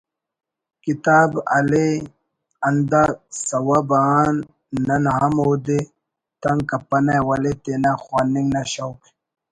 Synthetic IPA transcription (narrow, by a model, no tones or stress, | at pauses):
kit̪aːbɐ̰le | ɐnd̪asɐwabanː | ɐnɦamɦoːd̪e | t̪ɐŋkɐpːɐnawɐlet̪enaxwaːnːiŋɡnaɕawk